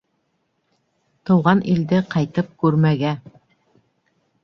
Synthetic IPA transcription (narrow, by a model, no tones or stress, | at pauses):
t̪ɤ̆wʁɑnʔild̪ɘqɑjt̪ɤp̚kʉɾmæɡæ